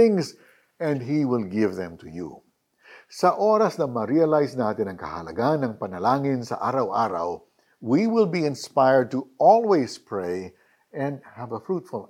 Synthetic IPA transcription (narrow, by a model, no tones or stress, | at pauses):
ɪ̃ŋs | ɛ̃ndɦiwɪlɡɪvðɛ̃mt̪ʰʊjṵ | sɐʔoɾɐsnɐmɐɾiɐlajsnaːt̪ɪnɐŋkɐ̰hɐ̰lɐ̰ɡanɐŋpɐnɐlaːŋɪnsɐ̰ʔaːɾɐwʔaːɾa̰w | wiwɪlˠbiɪ̃nspajəɹd̚t̪uʔɔlˠwejspʰɹeɪ | ɛ̃nd̪̚hævɐfɹut̪fʊl